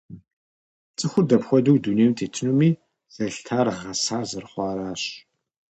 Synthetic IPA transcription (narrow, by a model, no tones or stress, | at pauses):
t͡sʼɨxʷʊdɐpxʷɔduwdunejmtʰeːtʰɨnumiː | z̥ɐɬtʰaːrʁɐsaːzɨrχʷɑːɾaːɕ